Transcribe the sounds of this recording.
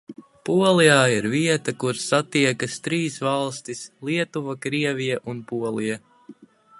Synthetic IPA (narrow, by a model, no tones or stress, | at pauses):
puɔlˠijaːiɾviɛt̪akuɾsːat̪iɛkɐst̪ɾiːsvɑlˠst̪islˠiɛt̪uvakɾiɛvijɛʔunpuɔlˠija